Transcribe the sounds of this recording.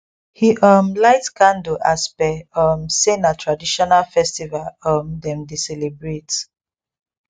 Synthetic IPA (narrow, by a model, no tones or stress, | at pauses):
hiʔɔmlaɪtskãndoʔaspɛɔmsenatʰɹadiʃɔnalfɛstivalɔmdɛ̃mdisɛlebɹet